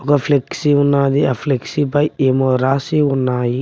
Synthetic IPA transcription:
ɔkɐpʰleksiunːaːd̪iapʰleksipɐjeːmoɾaːsiunːaːji

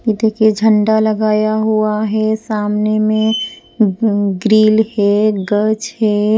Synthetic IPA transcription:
kid̪ekʰed͡ʒʱə̃ɳɖalɐɡaːjaɦuaɦɛsaːmnemẽ | ɡɾiːlhɛɡət͡ʃɦɛː

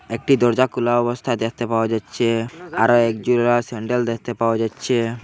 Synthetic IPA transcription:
ek̚ʈid̪ɔɾd͡ʑakulaɔbost̪ʰad̪ekʰt̪epaoad͡ʑatːɕʰeaɾoɛk̚d͡ʑulɾasɛɳɖeld̪ek̚ʰt̪epaoad͡ʑatːɕʰe

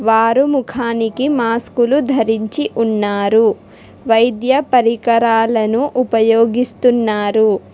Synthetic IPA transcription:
ʋaːɾumukʰaːnikimaːskulud̪ʱɐɾiɲt͡ʃiʔunːaːɾu | ʋɐjd̪jɐpɐɾikɐɾaːlɐnuʔupɐjoːɡist̪unːaːɾu

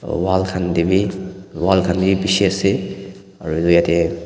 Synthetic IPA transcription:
walkʰandibiwalkʰandibibisiɐse | ɐ̰ɾuzujate

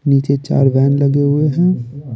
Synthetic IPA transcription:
niːt͡ʃet͡ʃa̰ːɾbɛːnləɡeɦʊeɦɛ̃ː

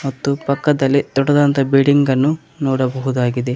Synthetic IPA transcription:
mɐt̪ːupɐkːɐd̪ɐlːit̪ɔɽɐd̪ɐnt̪ɐbiɽiŋɡɐnːu | nɔːɽɐbɐɦud̪aːɡid̪e

